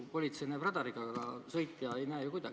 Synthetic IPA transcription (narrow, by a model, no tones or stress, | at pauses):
po̞lʲit̪se̞jneprɑd̪ɑɾikɑɡɑsɤ̞jt̪ːˑjɑejnæːjukujd̪̥ɑɡ